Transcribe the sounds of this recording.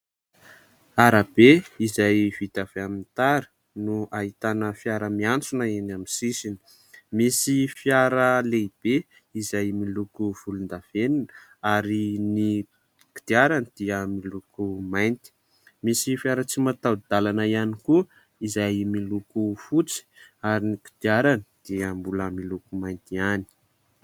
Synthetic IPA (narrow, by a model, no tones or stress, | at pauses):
aɾab̥eizajv̥it̪av̥eamint̪aɾi̥ | nuaɦit̪anəfjaɾəmiant͡sunaenaminsisini̥ | misifjaɾəleib̥e | izajmilukuv̥ulund̪av̥eninəaɾini | ki̥d̪̥iaɾand̪̥iəmilukumajnt̪i̥ | misifjaɾət͡simat̪awd̪̥alanaianiku | izajmilukufut͡si̥aɾiniki̥d̪̥iaɾanid̪̥iəmbuləmilukumajnt̪iani̥